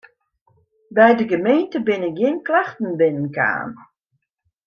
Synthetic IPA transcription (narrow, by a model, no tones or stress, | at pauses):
bɛjdəɡəmejntəbɪnɪkɡɪnklaxtn̩bɪnənka̰ːn